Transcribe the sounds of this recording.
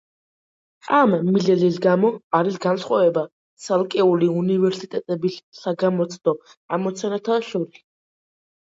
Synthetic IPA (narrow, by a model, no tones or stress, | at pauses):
amːilɛlisɡamɔaɾisɡansχwavɛba | t̪sʰalˠkʼɛuliunivɛɾsit̪ʼɛt̪ʼɛbisːaɡamɔt̪sʰʼd̪̥ɔ | amɔt̪sʰanat̪ʰaʃɔɾis